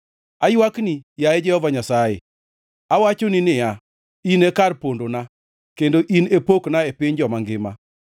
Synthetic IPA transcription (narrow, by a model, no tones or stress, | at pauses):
ajwaknijaɛd͡ʒɛhɔvaɲasajḛ | awat͡ʃonɪnɪja | inekarpondona | kendoʔinepoknaepɪɲd͡ʒɔmaŋɡɪma̰